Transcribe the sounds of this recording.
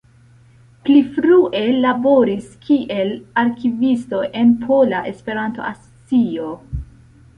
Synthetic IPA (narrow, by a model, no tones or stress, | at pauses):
plifɾuʔe̞labo̞ɾiskʰiʔe̞laɾkivisto̞ʔe̞npʰo̞laʔe̞spe̞ɾanto̞̰ʔaso̥t͡sio